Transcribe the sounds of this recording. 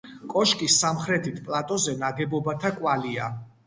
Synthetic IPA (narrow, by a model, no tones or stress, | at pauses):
kʼɔʃkʼisːamχɾɛt̪ʰit̪ʰpʼlˠat̪ʼɔzɛnaɡɛbɔbat̪ʰakʼwalia